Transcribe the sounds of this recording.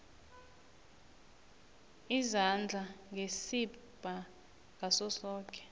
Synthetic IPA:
izand͡ɮʱaŋɡʱesib̥ʱa | ŋʱasɔsɔːkʼɛ̥

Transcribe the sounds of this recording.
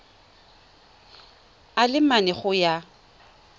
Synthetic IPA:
alɪmanɛχʊja

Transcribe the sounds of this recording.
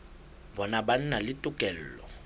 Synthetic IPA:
bɔnaban̩nalɪtʼʊkʼɛl̩ːlɔ̰

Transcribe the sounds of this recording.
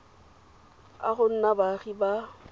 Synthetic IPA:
a̰ɣʊn̩nabaɣiba

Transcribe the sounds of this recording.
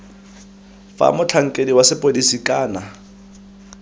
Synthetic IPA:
fa̰mʊt͡ɬʰaŋ̩kʼediwasɪpʼodisikʼaːna

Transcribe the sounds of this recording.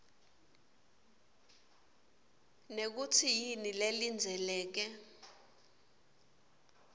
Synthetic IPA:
nek̬ut͡sʰijinilelind͡zʱɛlɛːk̬ɛ

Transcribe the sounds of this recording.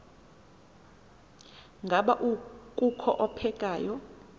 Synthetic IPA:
ŋɡʱaɓaʔukʼukʰɔʔɔpʰɛkʼaːjɔ

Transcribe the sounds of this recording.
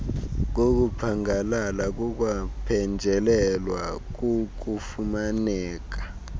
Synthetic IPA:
k̬ok̬upʰaŋalalak̬uk̬wapʰɛnd͡ʒʱɛlɛlwak̬ʼuk̬ufumanɛːk̬ḁ

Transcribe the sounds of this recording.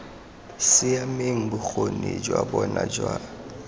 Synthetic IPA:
sɪameŋ̩bʊk͡xʰoned͡ʒwabɔnad͡ʒwa

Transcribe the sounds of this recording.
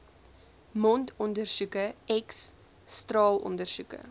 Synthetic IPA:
mɔntʰɔndərsukəɛksː | trɑːlɔ̰ndərsukə̰

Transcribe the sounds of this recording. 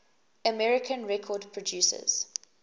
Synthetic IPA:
əmɛɹɪkʰə̃nɹɛkʰɔdpʰɹɔdjuːsə̰z̥

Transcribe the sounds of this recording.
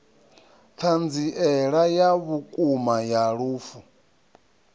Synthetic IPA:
tʰand͡ziʔɛɺajaβukʼumajaɺuːfu

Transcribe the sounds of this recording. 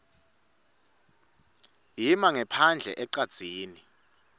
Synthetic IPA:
ɦimaŋɛpʰand͡ɮʱɛʔɛǀad̥z̥ʱiːni

